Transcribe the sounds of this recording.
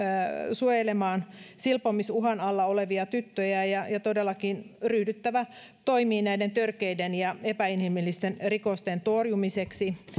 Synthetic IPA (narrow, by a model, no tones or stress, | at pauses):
suojelemɑːnsilpomisuɦɑnɑlːɑoleʋiɑt̪yt̪ːøjæjɑjɑt̪odelːɑkinryhdyt̪ːæʋæ | t̪oimiːnæident̪ørkeidenjɑepæinhimilːist̪enrikost̪ent̪orjumiseksi